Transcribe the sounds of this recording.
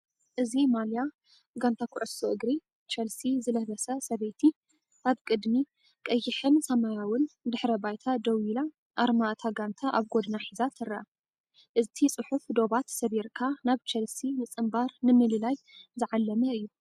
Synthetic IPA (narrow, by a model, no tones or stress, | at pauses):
ʔɨzimalja | ɡant̪ʰakʰʊʕʊsoʔɨɡɾi | t͡ʃɐlsizɨlɐhlɐsɐsɐβet̪ʰi | ʔaβkʼɨd̪mi | kʼɐjːɪħɨnsɐmajawʊnd̪ɨħɾɐbajt̪ʰad̪ɐwila | ʔaɾmaʔt̪ʰaɡant̪ʰaʔaβɡod̪naħizat̪ʰɨrɐʔa | ʔɨt̪ʰit͡sʼɨħufd̪o̞βat̪sɐβiɾkʰanaβt͡ʃʰɐlsinɨt͡sʼɨmbaɾnɨmɨlɨlajzɨʕalːɐmɐɨjːu